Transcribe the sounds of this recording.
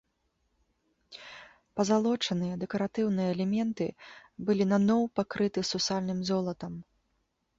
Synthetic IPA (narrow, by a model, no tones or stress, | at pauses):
pɐzalˠɔt͡ʂɐnɨjɐd̪ɛkɐɾat̪ɨwnɨjɐːlʲɛmʲɛnt̪ɨ̰bɨlʲinanɔwpakɾɨt̪ɨsusalʲnɨmzɔlˠɐt̪ɐm